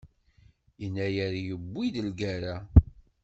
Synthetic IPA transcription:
iənːæjəɾjəbʷːiðəlɡæɾa

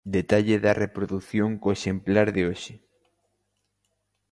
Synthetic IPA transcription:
d̪et̪aʎeðɐrepɾoðuθjoŋkoeʃemplaɾðɪoʃɪ

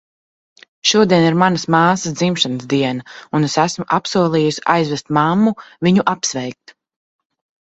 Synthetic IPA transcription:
ʃuɔd̪iɛniɾmanɐsmaːsəsd̪zimʃansd̪iɛnaunesæsmuʔapsuɔlˠiːjusa̰jzvɛst̪mamːuviɲuʔapsvɛjk̚t̪

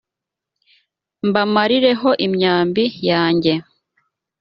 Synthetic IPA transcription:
mbamaɾiɾe̞ɦo̞ʔimɲaːmbijaːɲɟe̞

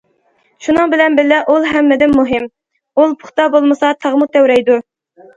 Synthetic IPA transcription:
ʃunɨŋbɪlɛnbɪlːɪʔulˠɦɛmːɪd̪ɪnmuɦɪm | ulˠpʰʊ̥χt̪ɑbolˠmɨsɑt̪ʰɑʁmut̪ʰɛwɾɛjd̪u

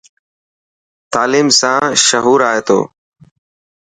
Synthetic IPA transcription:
t̪aːliːmsãːʃəɦuːɾaːɦeːt̪o̰ː

